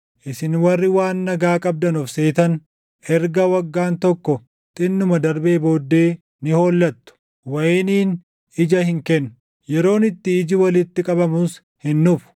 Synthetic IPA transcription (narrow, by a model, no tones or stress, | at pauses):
ʔɪsɪnwɐrːɪwaːnːɐɡaːkʼɐb̚d̪ɐnɔfse̞ːt̪ɐn | ʔɛɾɡɐwɐɡːaːnt̪ɔkːɔ | t̪ʼɪnːʊmɐd̪ɐɾbe̞ːbo̞ːd̪ːe̞ː | nɪho̞ːlːɐt̪ːʊ̥ | wɐjeːniːn | ɪd͡ʒɐhɪŋkɛnːʊ̥ | jɛɾo̞ːnɪt̪ːɪːd͡ʒɪwɐlɪt̪ːɪkʼɐbɐmuːs | hɪnːuf